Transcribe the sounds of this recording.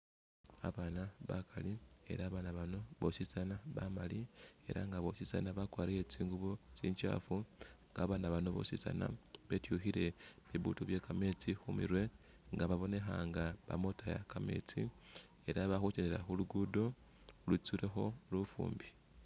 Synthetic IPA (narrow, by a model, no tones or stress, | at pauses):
a̰βanaβakalie̞̰ɾaːβanaβano̞βo̞sisanaβamalie̞̰ɾa̰ŋɡaβo̞sisa̰naβakwaːɾijet͡siːŋɡuβot͡siːɲt͡ʃa̰ːfuŋɡaβanaβano̞βo̰sisa̰na̰βetjuxiɾe̞βiβutuβje̞kame̞t͡sixumḭɾwe̞ | ŋɡaβaβo̞ne̞xaŋɡaβa̰mo̞taja̰kame̞̰t͡si | e̞ɾaβaxut͡ʃeneɾa̰xuluɡudo̞ | lut͡suɾe̞xo̞lufṵːmbi